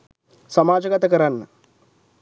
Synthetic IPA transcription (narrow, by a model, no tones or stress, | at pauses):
sɐmaːd͡ʒɐɡɐt̪ɐkɐɾanːɐ